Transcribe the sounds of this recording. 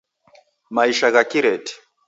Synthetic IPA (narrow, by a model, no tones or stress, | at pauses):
maiʃaɣakiɾɛti̥